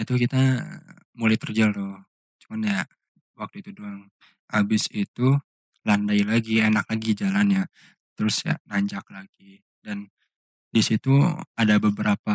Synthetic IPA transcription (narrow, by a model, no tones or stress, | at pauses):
at̪ukit̪a | mulajt̪ərd͡ʒəlt̪ʊ | t͡ʃumanja | wak̚t̪uit̪udoaŋ | habɪsit̪u | landailaɡienaklaɡid͡ʒalanja | t̪əɾʊsja̰naɲd͡ʒak̚laɡi | dan | disit̪uadabəbəɾapa